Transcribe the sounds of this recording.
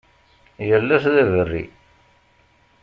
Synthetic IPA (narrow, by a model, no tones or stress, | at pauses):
jəlːæsðævərːḭ